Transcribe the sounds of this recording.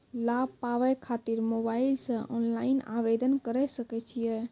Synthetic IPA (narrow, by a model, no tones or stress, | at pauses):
lab̚paʋɛkʰat̪iɾmobailsə̃ʔɔnlaina̰bed̪ənkəɾɛsəkɛt͡ʃʰijɛ